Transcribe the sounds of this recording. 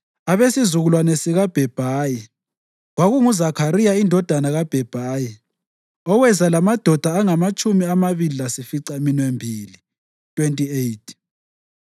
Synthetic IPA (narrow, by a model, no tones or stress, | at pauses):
aβesizuɣulwanɛsiɣab̥ʱɛb̥ʱaːji | ɣwaɣuŋuzakʰaɾijaindʱɔd̥ʱanaɣab̥ʱɛb̥ʱaːji | ɔwɛzalamad̥ʱɔd̥ʱaːŋamat͡ʃʼumiamaβililasifiǀaeminwembʱiːli | tʼwentʼiejt̚ʰ